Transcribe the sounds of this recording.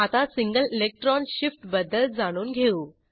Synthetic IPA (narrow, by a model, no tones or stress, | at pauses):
at̪asiŋɡəlilek̚ʈɾɔnɕifʈbəd̪əld͡zaɽ̃uːnɡʱeu